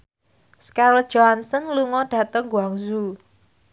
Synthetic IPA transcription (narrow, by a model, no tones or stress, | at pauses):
skaɾl̥ʒ̥oɦansənluŋɔɖ̥a̤t̪əŋɡuaŋzu